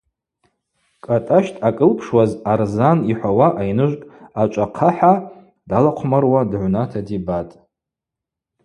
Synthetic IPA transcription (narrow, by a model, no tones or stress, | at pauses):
kʼatʼaʃtʼakʼɨlpʰʂwazarzaniħʷawaʔajnɨʒʷkʼat͡ʃʷʼaqʰaħa | dalaqʷʰmarwadʕʷnatʰadibatʼ